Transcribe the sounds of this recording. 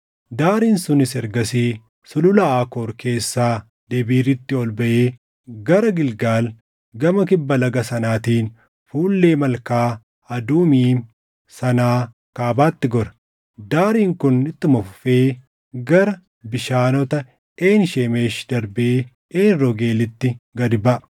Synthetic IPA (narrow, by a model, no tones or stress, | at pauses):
d̪aːɾiːnsʊnɪsɛɾɡɐsiː | sʊlʊlɐaːkoːɾkʰe̞ːsːaː | d̪̥ɛbiːɾɪt̪ːɪɔlbɐʔeː | ɡɐɾɐɡɪlɡaːl | ɡɐmɐk̬ɪbːɐlɐɡɐsɐnaːt̪iːn | fuːlːe̞ːmɐlkaː | ɐd̪uːmiːn | sɐnaː | kaːbaːt̪ːɪɡɔɾɐ̥ | d̪aːɾiːŋkʊnɪt̪ːɪmɔffe̞ː | ɡɐɾɐ | bɪʃaːnɔt̪ɐ | eːnʃeːme̞ːʃd̪̥ɐɾbeː | eːnɾɔɡe̞ːlɪt̪ːɪɡɐd̪bɐʔɐ